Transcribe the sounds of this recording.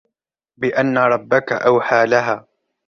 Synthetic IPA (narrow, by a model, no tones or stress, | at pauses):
bɪʔanːaɾˤɑbːaka̰ʔawħaːlaɦaː